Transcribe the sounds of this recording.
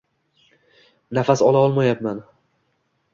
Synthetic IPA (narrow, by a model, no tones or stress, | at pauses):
nafasɒlˠaɒlˠmajapman